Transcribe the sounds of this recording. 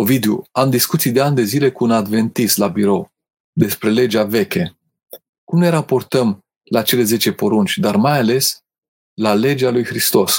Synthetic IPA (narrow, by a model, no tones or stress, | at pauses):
ovid̪euamd̪iskut̪sijd̪e̞and̪e̞zile̞kuunad̪ve̞nt̪islabiɾo̞w | d̪e̞spɾe̞le̞d͡ʒave̞kʲe̞ | kumne̞ɾapo̞rt̪əm | lat͡ʃe̞le̞ze̞t͡ʃe̞po̞ɾunt͡ʃʲd̪armajale̞s | lale̞d͡ʒalujxɾist̪o̞s